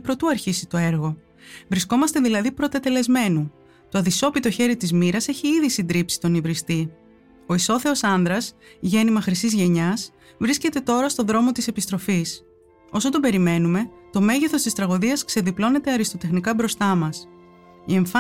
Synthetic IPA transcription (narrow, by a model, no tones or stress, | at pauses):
pɾo̞t̪uɐɾçisit̪o̞e̞ɾɣo̞ | vɾisko̞mɐst̪e̞ðilɐðipɾo̞t̪et̪e̞le̞zme̞nu | t̪oɐðiso̞pit̪o̞çe̞ɾit̪izmiɾɐse̞çiiðisind̪ɾipsi̥t̪o̞nivɾist̪i | o̞iso̞θe̞o̞sɐnðɾɐsʝe̞nimɐxɾisizʝe̞ɲɐs | vɾisce̞t̪e̞t̪o̞ɾɐst̪o̞ðɾo̞mo̞t̪ise̞pist̪ɾo̞fis | o̞sot̪o̞be̞ɾime̞nume̞t̪o̞me̞ʝeθo̞st̪ist̪ɾɐɣoðiɐskse̞ðiplo̞ne̞t̪e̞ɐɾist̪o̞t̪e̞xnikɐbɾost̪ɐmɐs | ie̞ɱfɐ